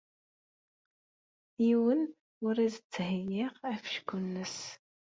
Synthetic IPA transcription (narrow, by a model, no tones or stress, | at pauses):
jiwən | ʊɾizət͡sːɦəjɪʁæfʃkʷːunːəs